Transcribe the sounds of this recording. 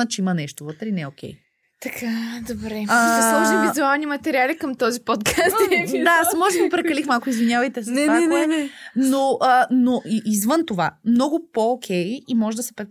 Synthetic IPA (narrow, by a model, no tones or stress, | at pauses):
ət͡ʃɛimɐnɛʃt̪ovɤt̪ɾɛinɛokʲɛ̰j | t̪ɐkʰad̪obɾɛslˠɔʒivizualˠnimɐt̪ɛɾialikəmt̪ɔzipɔt̪kʰasɛd̪asmɔʒɡopɾɛkɐlixmalˠkʊizvinʲjavɐjt̪ɛsnɛaɛnɛɛnɛnoʔənoʔiʔizvɤnt̪ovamnɔɡʊpookʲʰɛjimɔʒɛd̪ɐsɛ̥pɛ